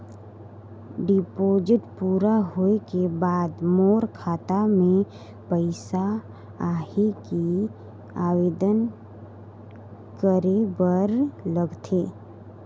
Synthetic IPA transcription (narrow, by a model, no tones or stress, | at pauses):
ɖɪpoːd͡ʒɪʈpuːɾaɦoekebaːd̪moːɾkʰaːt̪amẽ | pəɪsa | aːheki | aːweːd̪ən | kəɾebəɾləɡt̪ʰeː